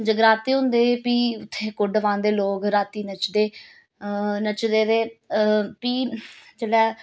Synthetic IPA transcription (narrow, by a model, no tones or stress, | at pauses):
d͡ʒəɡɾaːt̪eːɦʊ̃nd̪eːpiːʊt̪ʰːeːkʊɖʋãːnd̪eːloːkɾaːt̪iːnət͡ʃd̪eː | nət͡ʃd̪eːd̪eː | piːt͡ʃəɽɛː